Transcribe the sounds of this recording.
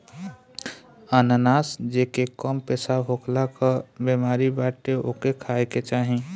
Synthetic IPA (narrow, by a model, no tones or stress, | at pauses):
ananaːsd͡ʒekekɔmpɛːsaɦoklakabemaːɾibaːʈeokekʰaːeket͡ʃaːɦẽ